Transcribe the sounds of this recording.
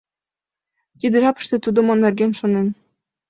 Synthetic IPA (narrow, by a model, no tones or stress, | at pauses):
kid̪ɘ̆ʒɑpə̥̆ʃt̪ĕt̪ud̪ŏmonːerɡenʃonen